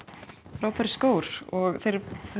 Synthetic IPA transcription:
fɾaːwpʰaɾɪ̥skoːwɾ̥ɔɣθejɾθ

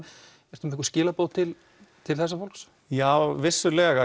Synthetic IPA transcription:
ɛɾt̪ʏmɪ̥kscɪːlapoːwt̪ʰɪl | t̪ʰɪlθɛsːafowlks | jaːwvɪsːʏlɛːɣa

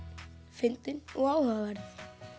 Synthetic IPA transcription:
fɪlt̪ɪnɔɣaːwhaavaɾθ

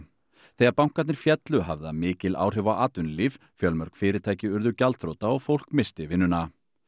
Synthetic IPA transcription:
θejɣaɾpawŋ̥kat̪nɪɾ̥fjɛt̪lʏɦavðamɪːcɪla̰ːwr̥ɛvawʔaːt̪ʏnlif | fjœlmœɾ̥kfɪːɾɪt̪ʰaːjcɪʏɾðʏcalt̪θɾowt̪aɔɣfowl̥kmɪst̪ɪvɪnːʏna

